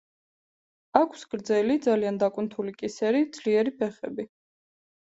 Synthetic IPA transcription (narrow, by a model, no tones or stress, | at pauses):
akʰsɡɾd̪zɛlid̪zaliand̪akʼwnt̪ʰulikʼisɛɾid̪z̥liɛɾipʰɛχɛbi